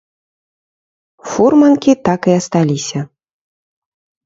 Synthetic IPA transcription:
furmɐnkʲit̪akɨɐst̪alʲisʲɐ

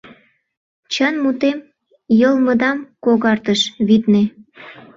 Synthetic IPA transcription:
t͡ɕənmut̪em | jəlmə̆d̪ɑmkoɣɑrt̪əʃβit̪ne

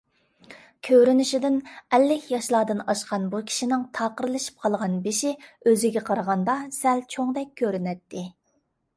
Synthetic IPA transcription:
kʲʰøɾynyʃid̪ɪnɛlːɪkʲʰjɑʃlˠɑːd̪ɨnɑʃqɑnbukʲʰi̥ʃinɪŋt̪ʰɑːqəɾɨlˠɨʃi̥p̚qʰɑlˠʁɑnbɪʃiøzɪɡʲɛqʰɑɾʁɑnd̪ɑsɛlt͡ʃʰoŋd̪ɛk̚ʲʰːøɾynɛt̪ːɪ

